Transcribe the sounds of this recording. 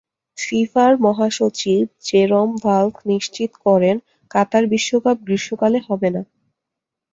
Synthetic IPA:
ʃifaɾmɔɦaʃot͡ɕib̚d͡ʑeɾombalkʰniʃt͡ɕit̪kɔɾen | kat̪aɾbiʃːokab̚ɡɾiʃokaleɦɔbena

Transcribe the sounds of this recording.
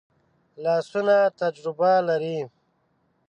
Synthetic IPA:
lɑːsunat̪ad͡ʒɾɪbalaɾi

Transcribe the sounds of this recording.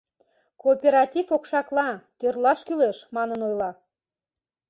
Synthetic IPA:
koːpʲeɾɑt̪ʲifokʃɑklˠɑt̪ørlɑʃkyleʃmɑnənojlˠɑ

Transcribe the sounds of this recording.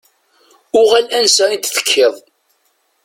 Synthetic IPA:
ʊʁælænsæint̪θə̥kʰːɪðˤ

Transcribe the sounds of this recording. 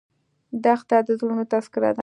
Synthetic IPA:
d̪axt̪ad̪əzlunot̪askɪɾa̰d̪

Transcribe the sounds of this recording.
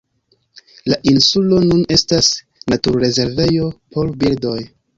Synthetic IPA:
laʔinsulo̞nune̞stas | natuɾɾe̞ze̞ɾve̞jo̞po̞ɾbildo̞j

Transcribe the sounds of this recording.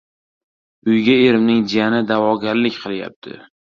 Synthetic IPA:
ʊjɡʲaeɾɪmnɪŋd͡ʒijanɪd̪avɒɡʲaɾlɪkʲqʰɨlˠja̰p̚t̪ʰɪ̰

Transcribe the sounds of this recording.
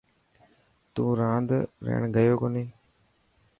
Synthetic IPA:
t̪ũːɾãːnd̪ɾḛːɳɡəjoːkoːneː

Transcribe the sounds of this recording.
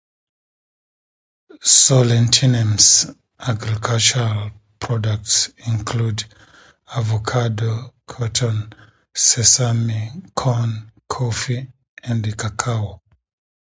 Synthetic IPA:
sɔlɛ̃ntʰinɛ̃ms | ʔaɡɹikʰalt͡ʃuɹal | pʰɹɔdak̚tsĩnkʰlud | avokʰadokʰɔtʰɔ̃n | sɛsamikʰɔ̃nkʰofi | ɛ̃nkʰakʰao

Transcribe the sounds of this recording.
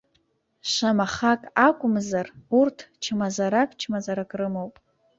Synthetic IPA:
ʃʷamaχakʼakʷʼʊmzarurtʰt͡ʃʰɨmazaɾakʼt͡ʃʰmazaɾakʼrɨmowpʼ

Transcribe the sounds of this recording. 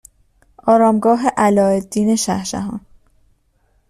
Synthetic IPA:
ʔɒːɾɒːmɡɒːɦe̞ʔælɒːed̪ːiːne̞ʃæ̰hʃæ̰ɦɒ̰ːn

